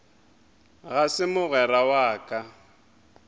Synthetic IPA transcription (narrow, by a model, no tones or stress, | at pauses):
ɣasɪmʊɣɛɾawaːkʼa